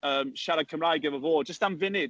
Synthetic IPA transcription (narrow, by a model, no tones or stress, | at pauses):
əːmʃɛɾəkʰəmɾajɡɪvəvoːd͡ʒəstanvɪnɪd̚